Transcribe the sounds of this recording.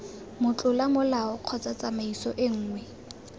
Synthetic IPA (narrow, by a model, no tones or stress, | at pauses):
mʊt͡ɬʼʊlamʊlaɔq͡χʰɔt͡sʼat͡sʼamaisɔʔɪŋ̩ːŋwɛ